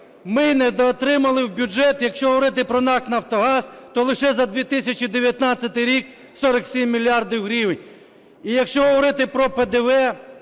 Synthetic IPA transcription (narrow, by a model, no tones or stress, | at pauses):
mɪnɛd̪ɔt̪ɾɪmɐlˠɪwbʲud͡ʒɛt̪jɐkʃt͡ʃɔɦɔʋɔɾɪt̪̬ɪpɾɔnɑk̪nɐwt̪ɔɦɑzt̪ɔlˠɪʃɛzɐd̪ʋʲit̪ɪsʲɐt͡ʃid̪eʋʲjɐt̪nɑt͡sʲːɐt̪ɪjɾʲik̚ | sɔɾɐksʲimːʲilʲiɑrd̪iwɦɾʲiʋenʲ | ijɐkʃt͡ʃɔɦɔʋɔɾɪt̪ɪpɾɔped̪eʋɛ